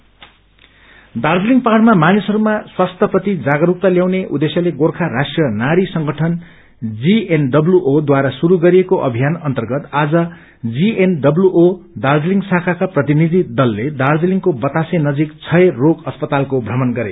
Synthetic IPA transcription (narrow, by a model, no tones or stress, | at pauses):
d̪ard͡zliŋɡpaʈmamanisʌɾumaswast̪ʰʌprʌt̪id͡zaɡʌɾuk̚t̪ʌljaw̃neʔud̪esjʌleɡorkʰaɾasʈrʌnaɾisʌŋɡʌʈʰʌn | d͡zienɖʌbljuʔod̪waɾasuɾuɡʌɾijekoʔʌbʱijanʌnt̪ʌrɡʌt̪ad͡zʌ | d͡zienɖʌbluʔod̪ard͡zliŋɡsakʰakaprʌt̪inid̪ʱid̪ʌlːed̪ard͡ziliŋɡkobʌt̪asenʌd͡zikt͡sʰʌeroɡʌspʌt̪alkobʱrʌmʌnɡʌɾḛ